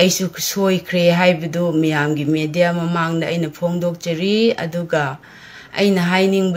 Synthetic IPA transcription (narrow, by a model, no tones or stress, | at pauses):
ɐjsukʰsojkʰɾeɦajbɐdumijamɡimedijamɐmaŋdɐʔːjnɐpʰoŋdok̚t͡ʃɐɾiɐ̰duɡɐ | ɐ̰jnɐɦajniŋb